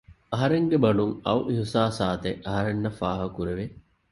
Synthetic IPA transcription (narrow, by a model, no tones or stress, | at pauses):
ɐɦɐɾeŋɡebɐɖuŋɐwʔiɦisaːsaːt̪eʔɐɦɐɾenːɐfaːɦɐkuɾeʋe